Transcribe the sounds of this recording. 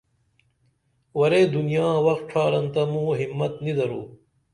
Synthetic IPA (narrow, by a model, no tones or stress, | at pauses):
wɐɾeːd̪unijaːwɐxt̪̚ʈʰaːɾɐnt̪ɐmũːɦimːɐt̪nid̪ɐɾuː